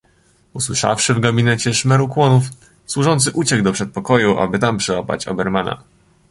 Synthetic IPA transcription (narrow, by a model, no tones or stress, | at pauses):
uswɘʂa̰fʂɘvɡabʲinɛt͡ɕɛʂmɛɾukwɔnuf | swuʐɔnt̪sɘʔut͡ɕɛɡd̪ɔpʂɛt̪̚pɔkɔjuʔa̰bɘt̪ampʂɛwapa̰t͡ɕɔ̰bɛɾmana̰